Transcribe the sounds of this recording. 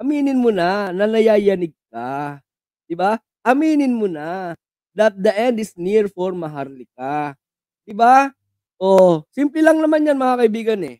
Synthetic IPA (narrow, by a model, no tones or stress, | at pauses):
ʔɐmiːnɪnmonanɐnɐjajɐnɪɡ̚ka | d̪̥ɪba | ʔɐmiːnɪnmona | d̪ɐt̪̚d̪ɐʔɛnd̪ɪsniɾfoɾmɐɦaɾlɪk̚a | d̪̥ɪba | ʔosimplɛlɐŋnɐmanjanmɐŋakɐibiːɡɐnɛ